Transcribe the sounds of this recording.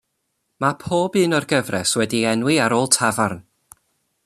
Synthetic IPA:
mapʰoːbɨːnɔrɡəvrɛswɛdiɛnwɪaɾoːlˠtʰavarn

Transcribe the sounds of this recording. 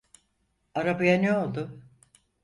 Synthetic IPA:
aɾabajanɛo̞lˠd̪ʊ

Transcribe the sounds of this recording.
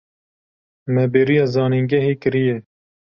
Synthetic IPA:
mɛbeːɾijɑːzɑːniŋɡɛɦiːkɨɾijɛ

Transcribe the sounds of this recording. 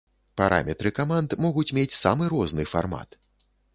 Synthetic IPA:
paɾʔa̰mʲɛt̪ɾɨkamant̪mɔɣut͡sʲmʲet͡sʲsa̰mɨɾɔznɨfa̰rma̰t̪

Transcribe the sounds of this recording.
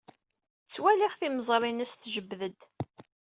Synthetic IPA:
t͡sːwæliχθiməzˤɾˤinæsθʒəbːðəd̪

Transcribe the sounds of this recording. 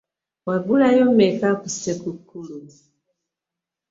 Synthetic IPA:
waɡulajɔmɛkakusɛkukulu

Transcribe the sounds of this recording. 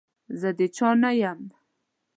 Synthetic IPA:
zəd̪ət͡ʃɑnajam

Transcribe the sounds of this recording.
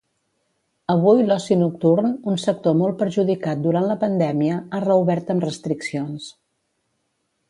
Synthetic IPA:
əβujlɔsinuk̚t̪uɾnunsək̚t̪omolˠpəɾʒuðikat̪̚d̪uɾant̪ləpənd̪ɛmiəarəuβɛɾt̪əmrəst̪ɾiksions

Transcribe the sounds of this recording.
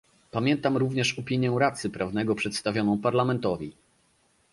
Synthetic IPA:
pamʲjɛnt̪amɾuvɲɛʂɔpʲiɲjɛ̃ɾat̪sɘpɾavnɛɡɔpʂɛt̪st̪avʲjɔnɔ̃w̃paɾlamɛnt̪ɔvʲi

